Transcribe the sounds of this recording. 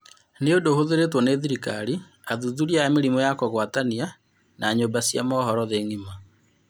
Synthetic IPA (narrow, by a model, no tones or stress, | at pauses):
neodohoðeɾetwɔneðiɾika̰ɾi | aðuðuɾiameɾimɔjakɔɣwatania | naɲoːmbasjamɔɦɔɾɔðeːŋima